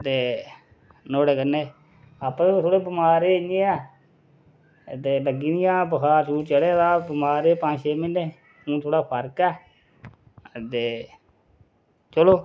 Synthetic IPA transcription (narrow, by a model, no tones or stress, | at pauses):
t̪eː | noːɽeːkəneː | aːpẽt̪ʰoːɽeːbəmaːɾeːɪɲeːɛː | t̪eːləɡiːd̪ɪjãːbəkʰaːɾt͡ʃʰuːʈt͡ʃəɽeːd̪aːbəmaːɾeːpãːd͡ʒʃeːmɪnːeː | ũːt̪ʰoːɽaːpʰəɾkɛː | t̪eː | t͡ʃəloː